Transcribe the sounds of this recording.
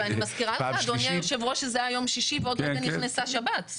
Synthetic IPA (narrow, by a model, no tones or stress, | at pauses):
animazkiʁalad̪onjajoʃevʁoʃezeajajo̞mʃiʃiveod̪meɡanniχnesaʃabat̪